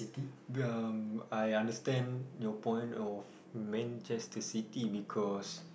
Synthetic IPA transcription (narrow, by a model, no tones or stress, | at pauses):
itiamajãndəstɛ̃njɔpɔ̃j̃nɔf | mɛ̃nt͡ʃɛstəsitibikʰɔs